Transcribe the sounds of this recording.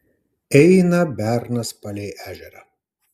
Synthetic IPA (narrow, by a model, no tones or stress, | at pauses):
ɛɪnɐbʲæɾnɐspɐlʲeːʔæːʒʲɛɾɐ